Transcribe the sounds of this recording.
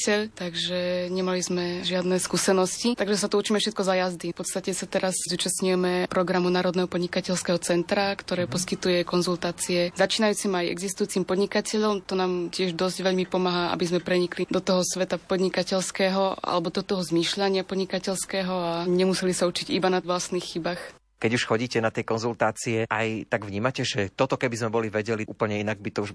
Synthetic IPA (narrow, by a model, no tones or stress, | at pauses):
ɛʎt̪aɡʒɛɲɛmalizmɛʒɪad̪nɛskuːsɛnɔscit̪aɡʒɛsat̪uut͡ʃiːmɛfʃɛt̪̚kɔzajazd̪ifpɔt̪st̪acɛsat̪ɛɾaszuːt͡ʃast̪ɲujɛmɛpɾɔɡɾamunaːɾɔd̪nɛɦɔpɔd̪ɲikacɛʎskɛɦɔt͡sɛnt̪ɾakt̪ɔɾɛːpɔskit̪ujɛkɔnzult̪aːt͡siɛzat͡ʃiːnajuːt͡simajɛ̰ɡzist̪ujuːt͡simpɔd̪ɲikacɛʎɔmt̪ɔnaːmcɪɛʒd̪ɔzɟʋɛʎmipɔmaɦaːʔa̰bizmɛpɾɛɲiklid̪ɔt̪ɔɦɔsʋɛt̪apɔd̪ɲikacɛʎskɛːɦɔʔa̰lɛbɔd̪ɔt̪ɔɦɔzmiːʃʎaɲɪapɔd̪ɲikacɛʎskɛːɦɔaɲɛmusɛlisaut͡ʃiɟibanaʋlasnixːibax | kɛɟuʃxɔɟiːcɛnat̪ɛjkɔnzult̪aːt͡siɛʔajt̪aɡʋɲiːmacɛʒɛt̪ɔt̪ɔkɛbizmɛbɔliʋɛɟɛliʔṵːpl̩ɲɛinaɡ̚bit̪ɔuʒ